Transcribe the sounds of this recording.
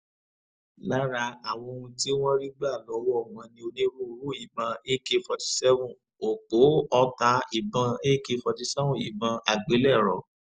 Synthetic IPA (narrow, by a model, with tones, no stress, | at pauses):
la˦ɾa˧a˨w̃ɔ̃˧o˧ũ˧ti˦w̃ɔ̃˦ɾi˦ɡ͡ba˦˨lɔ˨˦wɔ˦˨wã˧nĩ˧˦o˧nĩ˦ɾũ˦˨˦ɾu˦i˦˨bã˧e˦ke˧fɔ˧ti̥˧sɛ˦vũ˦˨ | o˨k͡po˨˦ɔ˧ta˧i˨bã˧e˦ke˧fɔ˧ti˧sɛ˦vũ˦˨i˨bã˧a˨ɡ͡be˨˦lɛ˦˨ɾɔ˨